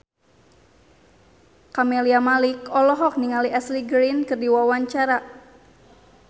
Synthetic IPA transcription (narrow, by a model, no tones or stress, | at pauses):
kameliamalikɔlɔɦɔk̚niŋaliʔɛsliɡɾinkɨrdiwawaɲt͡ʃaɾa